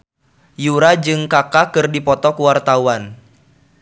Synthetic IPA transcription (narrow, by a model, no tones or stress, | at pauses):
juɾad͡ʒɨŋkakakɨrdipɔt̪ɔkuwart̪auan